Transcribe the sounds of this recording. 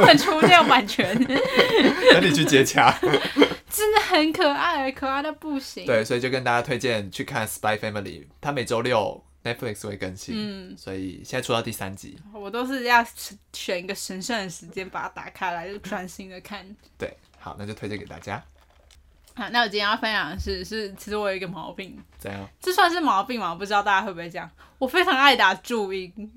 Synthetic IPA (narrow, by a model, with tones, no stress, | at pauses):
xə˨˩nʈ͡ʂʰu˥jo˥wa˨˩nt͡ɕʰɥɛ˧˥˦n | ə˥˦ni˨˩t͡ɕʰy˥˩t͡ɕjɛ˧˥t͡ɕʰja˥˦ | t͡sɻ̩˥˨xə˧˥nkʰə˨˩a˥˩ɪə˧˥kʰə˨˩a˥˩ɪd̪ə˩pu˥˩ɕi˧ŋwe˥ɪswɔ˧˥i˨t͡ɕjo˥˧kə˦nt̪a˥˩t͡ɕja˥t̪ʰwe˥˧ɪt͡ɕjɛ˥˨nt͡ɕʰy˥˧kʰa˥˨nspa˥ɪfæ˥mə˨lḭ˨˩t̪ʰa˥˦me˨˩ɪʈ͡ʂo˥ʊljo˥˨˩ʊ | nɛ˥t̚fli˥˩kswe˥˩ɪkə˧˦nɕi˦n̩˥˩swɔ̰˧˦˥ḭ˨˩ɕjɛ˥˨na˥˩u˥˧ɑ˥˧t̪i˥˩sa̰˦nt͡ɕḭ˨˦wɔ˨˩t̪o˥ʊʂ̬ɻ̩˥˧jɑ˥˩ʊ˧˥ɕɥɛ˨˩i˧˥ɡə˨ʂə˧˥nʂə˥˩ŋd̪ə˩ʂɻ̩˧˥t͡ɕjɛ˥npa˨˩a˥˩t̪a̰˨˩kʰa˥ɪla˧˥ɪ˥ʈ͡ʂʰwa˥˩nɕi˥ŋd̪ə˨kʰa˥˩nt̪wḛ˥˩ɪ | xɑ˨˩˦ʊna˥˩t͡ɕjo˥˧t̪ʰe˥t͡ɕɛ˥˨ke˨˩t̪a̰˥˩t͡ɕja˦ | a˧˩˦na˥˩wɔ˨˩t͡ɕi˥˨˩jfa˥njɑ˨˩ŋʂɻ̩˥˧ʂɻ̩˥˩t͡ɕʰi˧˥˧wɔ˨ə˨˧˥ɡə˧˩mɑ˧˥ʊpi˥˩ŋʈ͡ʂə˥˩jɑ˥˩ŋʈ͡ʂ̩˥˧swa˥˧nʂ̬̩˥˩mɑ˧˥ʊpi˥˩ŋma˨˩wpu˧˩ʈ͡ʂɻ̩˥ɑ˥˧t̪a˥˧ja˥we˥˩pʈ͡ʂjɑ˥˩ŋwɔ˨˩fe˥ɪʈ͡ʂʰɑ˧˥ŋa˥˩ɪt̪a˨˩ʈ͡ʂu˥˧i˥˩